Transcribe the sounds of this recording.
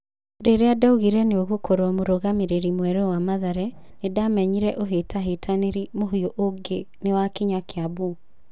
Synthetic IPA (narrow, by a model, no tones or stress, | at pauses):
ɾeɾeadauɣiɾɛneoɣokʰoɾwɔmoɾoɣameɾeɾimwɛɾɛwamaðaɾɛ | nedamɛɲiɾɛʔoɦetaɦetʰaneɾimoɦioʔoɡe | newakiɲakeabu